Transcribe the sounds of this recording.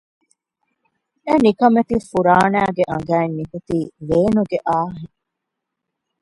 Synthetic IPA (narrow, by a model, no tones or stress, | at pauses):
enikɐmet̪ifuɾaːnæːɡeʔɐ̰̃ŋɡæːenːikut̪iːʋeːnuɡeʔaːɦeŋ